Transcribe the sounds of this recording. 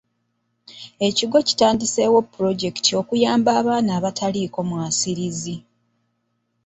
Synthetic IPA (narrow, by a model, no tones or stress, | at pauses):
e̞ciɡo̞ci̥taːndise̞wopːuɾo̞ɟe̞ktio̞kujaːmbaːβaːnaːβatʰaliko̞mwaːsiɾizi